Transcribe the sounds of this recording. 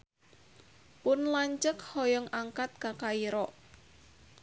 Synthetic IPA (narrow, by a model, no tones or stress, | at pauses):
pʊnlaɲt͡ʃəkhɔjɔŋaŋkat̪̚kakaiɾɔʔ